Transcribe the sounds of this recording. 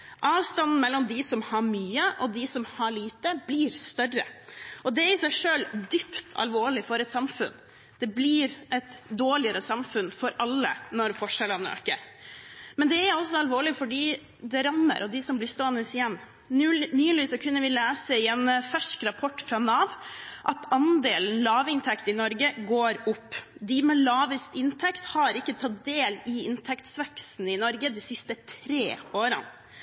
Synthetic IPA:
ʔɑːʋst̪ɑnn̩mɛlːɔmd̪ɪsɔmhɑɾmyːəʔɔd̪ɪsɔmhɑɭiːt̪əblɪːɾst̪œrə̰ʔɔd̪ɛæɾɪsæɪʂøːld̪ʏpt̪ʰɑ̰lʋoːɭɪfɔɾɛt̪sɑmfʉ̰n | d̪̥ɛblɪɾʔɛt̪d̪oːɭɪəɾəsɑmfʉnfɔɾɑlːənɔɾfɔʂɛlənəø̰ːkə̰ɾ | mɛnd̪ɛæɾɔsːɔɑlʋoːɭɪfɔɖiː | d̪ɛɾɑmːə̰ɾʔɔd̪ɪsɔmblɪst̪oːɛnəsɪjɛmː | nyːliːsɔkʰʉnːəʋɪleːsəɪɛnfæʂkɾɑpʰɔʈːfɾɑnɑːʋʔɑt̪ɑnd̪eːln̩lɑːʋɪnt̪ʰɛkt̪ɪnɔɾɡəɡoːɾʊpːd̪ɪmɛlɑːʋəst̪ɪnt̪ʰɛkt̪hɑɾɪkːət̪ʰɑt̪̚d̪eːlɪɪnt̪ʰɛkt̪sʋɛksn̩ɪnɔɾɡəd̪ɪsɪst̪ət̪ʰɾeːoːɾə̰n

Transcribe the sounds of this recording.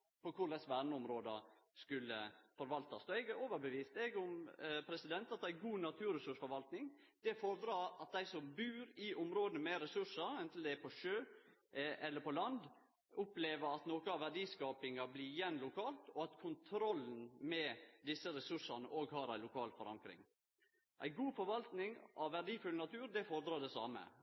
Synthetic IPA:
pɔkʰʊlɛsʋæːɖɳəʊmɾoːd̪ɑskʉlːəfɔɾʋɑlt̪ɑsɔɛɡoːʋəɾbəʋiːst̪ɛɡʊmpʰɾɛsɪd̪ɛnt̪ɑt̪̚d̪ɛææɡuːnɑt̪ʰʉːɾɛsʉʂfɔɾʋɑlt̪nɪŋ | d̪̥ɛfɔɾd̪ɾɑɑt̪̚d̪æɪsɔmbʉːɾɪʔʊmɾoːd̪ənəmɛɾɛsʉʂəɾɛnt̪l̩d̪ɛæpʰɔʃøː | ʔɛlːəpʰɔlɑnd̪ | ʊpleːʋəɾɑt̪noːkəɑʋæɖiːskɑːpɪŋɑblɪɾjɛnlʊkʰɑːlt̪ɔɑt̪kʰʊnt̪ʰɾɔlːn̩mɛd̪ɪsːəɾɛsʉʂɑnəʔoːɡɦɑːɾæɪlʊkʰɑːlfɔɾɑ̰ŋkɾɪ̰ŋ | ʔæ̰ɪɡuːfɔɾʋɑlt̪nɪŋʔɑʋʋæɖiːfʉlnɑt̪ʰʉːɾd̪ɛfoːɾd̪ɾɑːɖ̪ɛsɑ̰ːmə̰

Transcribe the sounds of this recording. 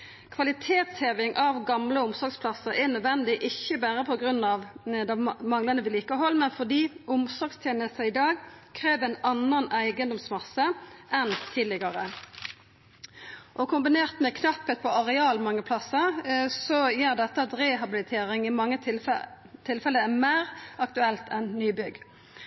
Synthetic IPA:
kʰʋɑlɪt̪ʰeːt̪sheːʋɪŋʔɑʋɡɑmləʊmsɔɾɡspʰlɑsəɾɛnœd̪ʋɛnd̪ɪʔɪçːəbæːɾəpʰɔɡɾʉnːɑʋd̪ɛmɑŋlɑnəʋɪliːkəɦɔlmɛnfɔd̪iːʊmsɔɾɡst̪ʰjeːnəst̪əɪd̪ɑːɡkʰɾeːʋæɪnɑnːənæɪɡənd̪ɔmsmɑsəʔɛnt̪ʰiːd̪lɪɡɑʁə | ʔɔkʰʊmbɪneːʁt̪mɛkʰnɑpːət̪̚pʰɔɑʁɛɑːlmɑŋːəpʰlɑsəsɔjæːɾd̪ɛt̪ːəɑt̪ɾeːɦɑbɪlɪt̪ʰeːɾɪŋɪmɑŋːə | t̪ʰːɪlfɛlːəmæːʁɑkt̪ʉɛlt̪ɛnnyːbʏɡ

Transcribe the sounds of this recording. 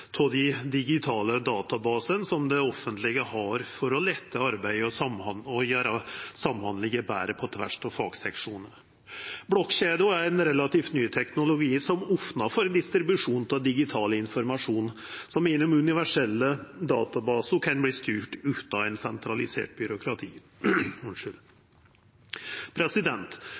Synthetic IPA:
t̪ʰɔd̪ɪd̪ɪɡɪt̪ʰɑːləd̪ɑːt̪ɑbɑːsənsɔmd̪ɛɔfːənt̪lɪɡəhɑɾfɔɾɔlɛt̪ʰːəɑɾbæɪɔsɑmɑnɔjøːɾɑsɑmhɑnlɪɡəbæ̰ːɾəpʰɔt̪ʰʋæ̰ʂt̪ʰɑfɑ̰ːɡsɛkʂuːnən | blɔkɕeːd̪ʊæɾɛnɾɛlɑt̪iːft̪nyːt̪ʰɛknʊlʊɡiːsɔmɔfnɑfɔɾd̪ɪst̪ɾɪbʉʂuːnt̪ʰɑd̪ɪɡɪt̪ʰɑːləɪnfɔɾmɑʂuːnsɔmɪnʊmʉnɪʋæʂɛlːəd̪ɑːt̪ɑbɑːsəkʰɛnbliːst̪yːʈʉːt̪ɑɛnsɛnt̪ʰɾɑlɪsḛːʈ̚bʏɾʊkʰɾɑt̪ʰiː | ʊnʂəl | pʰɾɛsɪd̪ɛnt̪

